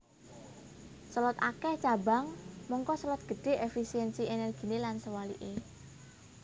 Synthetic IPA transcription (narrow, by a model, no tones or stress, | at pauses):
səlɔt̪akɛht͡ʃaba̤ŋmɔŋkɔsəlɔt̪̚ɡ̥ə̤ɖ̪̥e̤ʔefisiɛnsienɛrɡ̥i̤nelansəwalḭʔe